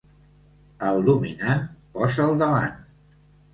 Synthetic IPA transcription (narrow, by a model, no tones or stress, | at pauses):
əlˠd̪uminanpɔzəːlˠd̪əβan